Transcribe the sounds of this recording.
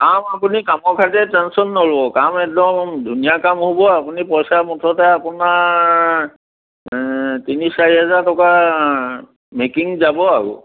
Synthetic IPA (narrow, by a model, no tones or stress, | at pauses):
kamapunikamɔkʰatɛtɛnsɔnːolɔbɔkamɛk̚dɔmdʱunijakamɦobɔapunipɔjsamutʰɔtɛapʊna | tinisaiɦɛzaɹtɔka | mekiŋzabɔaɹṵ